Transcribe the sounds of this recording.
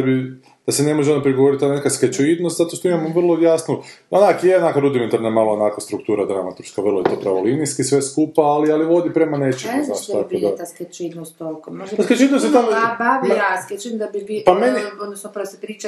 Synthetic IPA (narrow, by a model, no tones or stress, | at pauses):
abi | d̪̥asenemoʒeonopɾiɡoo̞ɾit̪anekasket͡ʃoid̪nost̪zat̪oʃt̪oimamoʋr̩lˠojasnuonakjeonakaɾud̪iment̪aɾnamalˠoonaklast̪ɾuk̚t̪uːɾad̪ɾamat̪uɾskaʋr̩lˠojet̪oːpɾaʋolinijskisʋe̞skupaːlialiʋo̞d̪ipɾemane̞t͡ʃeɡuzaʃt̪kod̪at̪asket͡ʃid̪nost̪olkmoasket͡ʃoid̪nost̪et̪abaʋasket͡ʃind̪abibipameniod̪nosnopsepɾiːt͡ʃa